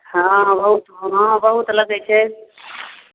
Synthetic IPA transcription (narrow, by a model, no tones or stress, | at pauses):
ɦãbəɦut̪ɦɦãbəɦut̪ləɡəjt͡ʃʰɛ